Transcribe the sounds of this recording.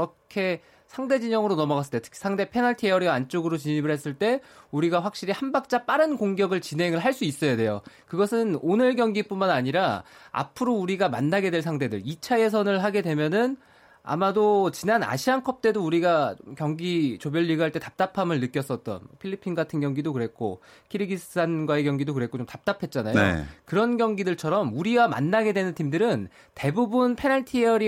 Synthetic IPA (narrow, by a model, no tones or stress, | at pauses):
ʌkʰe̞ | sʰaŋde̞d͡ʑiɲʌŋɯɾonʌmʌas͈ɯt͈etʰkʰi̥sʰaŋde̞pʰe̞naɭtʰiʌɾiant͡ɕ͈oɡɯɾot͡ɕiɲimɯɭhe̞s͈ɯɭt͈e̞uɾiɡaɸwak̚ɕ͈iɾihanbak̚t͡ɕ͈ap͈aɾɯnkoŋɡjʌɡɯɭt͡ɕinɦe̞ŋɯɭɦaɭs͈uis͈ʌjade̞jo̰ | kɯɡʌsʰɯnonɯɭɡjʌŋɡip͈unmanaɲiɾaa̰pʰɯɾouɾiɡama̰nːaɡe̞dwe̞ɭsʰaŋde̞dɯ̰ɭit͡ɕʰaje̞s̬ʰʌnɯɭɦaɡe̞dwe̞mjʌnɯn | a̰madot͡ɕinana̰ɕʰiankʰʌp̚t͈e̞douɾiɡat͡ɕomkjʌŋɡit͡ɕobjʌʎːiɡaɦaɭt͈e̞tḁp̚t͈apʰamɯɭnɯk͈jʌs͈ʌt̚t͈ʌ̰npʰiʎːipʰːinɡatʰɯnɡjʌŋɡidokɯɾe̞k̚k͈o̰ | kʰiɾiɡisʰɯ̥sʰanɡwae̞kjʌŋɡidokɯɾe̞k͈ot͡ɕomtap̚t͈apʰe̞t̚t͡ɕ͈anajoḛkɯɾʌnɡjʌŋɡidɯɭt͡ɕʰʌɾʌmuɾiɡama̰nːaɡe̞dwenɯntʰimdɯɾɯn | te̞bubunpʰe̞naɭtʰiʌɾi